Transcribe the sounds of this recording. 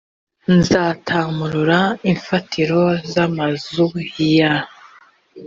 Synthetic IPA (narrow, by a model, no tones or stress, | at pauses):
nzaːtʰamuɾuɾaiɱfatʰiɾo̞zamazuhija